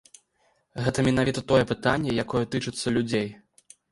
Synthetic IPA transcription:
ɣɛt̪ɐmʲɛnavʲit̪ɐt̪ɔjɛpɨt̪anʲːɛjakɔjɛt̪ɨt͡ʂɨt̪sːɐlʲud͡zʲej

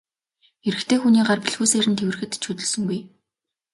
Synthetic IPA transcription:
eɾɘ̆kt̪ʰeːxuniːɢarpiɮxuːseːɾɘ̆nt̪ʰewɘ̆rxɘ̆t̪t͡ɕʰut̪ɵ̆ɮsɵ̆ŋɡuj

